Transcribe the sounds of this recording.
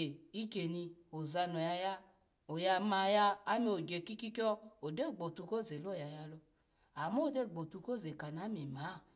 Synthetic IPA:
e˨i˦ke˨ni˧o˨za˧no˨ja˧ja˦ | o˨ja˧ma˨jaː˧˦mi˦o˨d͡ʒe˨ki˦ki˦kɔ˦o˨de˦˨ɡ͡bo˨tu˧ko˦˨ze˨lo˦˨ja˨ja˧lo˧ | a˨mo˦˨de˦˨ɡ͡bo˨tu˧ko˦˨ze˨ka˨n˨a˨˦mi˨ma˨˦˨

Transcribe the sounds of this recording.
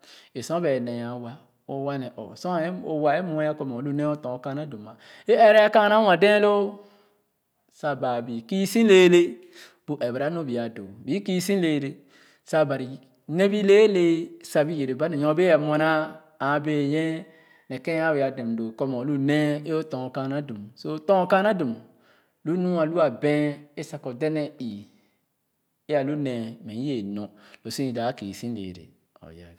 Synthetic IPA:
e˨sɔ̃˦be˨ne˨ja˨wa˦ | o˨wa˦nɛ˨ʔɔ̰˨sɔ̃˦e˦o˨wa˨e˦mo˦a˦ko˨mo˨˦lu˦ne˦o˦tɔ̃˨o˨ka˦a˦do˨ma˨ | e˦e˦ɾe˦a˦ka˦na˦wã˨dẽ˦lo˦ | sa˨ba˨bi˨ki˦sĩ˦le˦le˦ | b̥u˨ʔe˨bɾa˦no˦bi˨a˨do̰˨bi˨˦ki˦sĩ˦nle˨le˦ | sa˦ba˨ɾi˨ | ne˦bi˦le˦le˦sa˨bi˦je˨ɾe˨ba˦ne˨jɔ̃˦be˦a˨mɔ˨na˦ | a˨˦be˦˨jɛ̃˦ | nɛ˨kɛ̃˦a˦bi˨a˨de˨m˨do˨kɔ˦mɔ˨lu˦ne˦e˦o˦tɔ̃˨ka˦na˦du˨mso˦˨˦tɔ̃˦ka˦na˦du˨m | lu˦nũ˦a˨lu˦a˨bɛ̃˦e˦sa˨kɔ˨dɛ˦nɛ˦i˨ | e˦a˨lu˦nɛ̃˨mɛ˨i˦e˨nɔ̃˨lo˨si˦˨da˨˦kḭ˨sĩ˦n˦lḛ˨ɾḛ˨ | ɔ̰˨ja̰˨

